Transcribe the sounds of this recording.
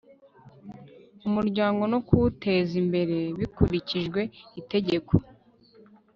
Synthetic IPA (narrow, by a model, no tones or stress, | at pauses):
umuɾɟaːŋɡo̞nokutʰe̞zimbe̞ɾe̞βikuɾiciʒɡwe̞ite̞ɟe̞kʰo